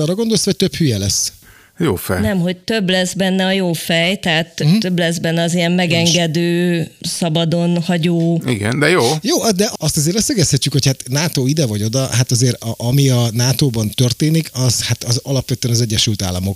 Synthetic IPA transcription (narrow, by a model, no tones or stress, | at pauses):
ɒːrːɒɡo̞nd̪olshoc̚ʲt̪øphyjɛlɛsː | jo̰ːfɛ̰jnɛmɦo̞c̚t̪ø̞blɛzbɛnːɛɒjoːfɛjt̪ɛɦat̪t̪ø̞blɛzbɛnːɛɒzijɛmːɛɡɛŋɡɛd̪øːsɒbɒd̪o̞nhɒɟoːḭɡɛ̰nd̪ɛjoːjoːd̪ɛʔɒst̪ɒzeːɾvɛseɡɛsthɛcːykho̞chat̪naːt̪oːid̪ɛvɒɟo̞d̪ɒɦat̪ɒzeːɾɒʔɒmiɒnaːt̪oːbɒnt̪ø̞rt̪eːnikʰɒz̥hat̪ɒzɒlɒpʋɛt̪øɛnɒzɛɟːɛʃylt̪a̰ːlːɒmo̞k